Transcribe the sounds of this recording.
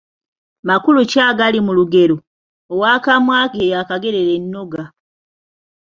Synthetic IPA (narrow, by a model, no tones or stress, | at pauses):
makulucaːɡalimuluɡe̞ɾo | owaːkamwaːkeejakaɡe̞ɾe̞ɾenːo̞ɡa